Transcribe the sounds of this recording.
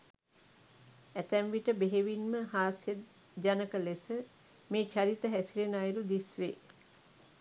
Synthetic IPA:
æt̪æmʋiʈəbeɦeʋinməhaːsje | d͡ʒanəkəlesə | meːt͡ʃaɾit̪əɦæsilenajɾud̪isʋe

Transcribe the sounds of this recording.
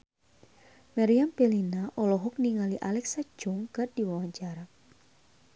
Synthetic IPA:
maɾiampelinaʔɔlɔɦɔk̚niŋaliʔalɛksat͡ʃʊŋkɨrdiwawaɲt͡ʃaɾa

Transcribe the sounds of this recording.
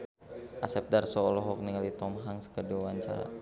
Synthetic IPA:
ʔasɛp̚darsɔːlɔɦɔk̚niŋalit̪ɔmɦaŋskərdiwawaɲt͡ʃa̰ɾa̰

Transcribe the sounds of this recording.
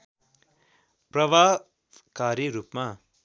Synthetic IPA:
prʌba | b | kaɾiɾupma

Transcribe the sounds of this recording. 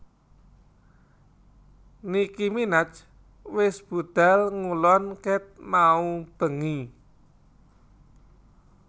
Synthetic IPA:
nikiminat͡ʃ | wɪsb̥ṳd̪̥a̤lŋulɔnkɛt̪̚maub̥ə̤ŋi

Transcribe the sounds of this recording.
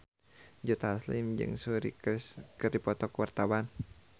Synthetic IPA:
d͡ʒɔt̪aslimd͡ʒɨ̰ŋsuɾḭkɨrdipɔt̪ɔkwart̪awan

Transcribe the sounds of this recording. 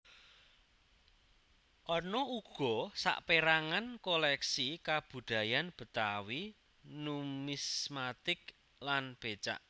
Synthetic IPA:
ʔɔrnɔuɡ̥ɔ̤sa̰ʔpeɾaŋankolɛksikab̥ṳd̪̥ä̤janb̥ə̤t̪awi | numismat̪ɪk | lanb̥et͡ʃa̰ʔ

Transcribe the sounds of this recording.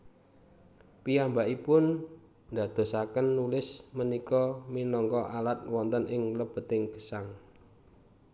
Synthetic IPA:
piambaʔipʊn | d̪ä̤d̪̥o̤sakənːulɪsmənikɔminɔŋkɔʔalat̪̚wɔnt̪ənɪŋləb̥ə̤t̪ɪŋkə̥saŋ

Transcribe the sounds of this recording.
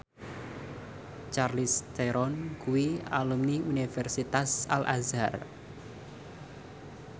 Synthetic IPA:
t͡ʃarlist̪eɾɔnkuwialumniunifɛrsit̪asalʔazar

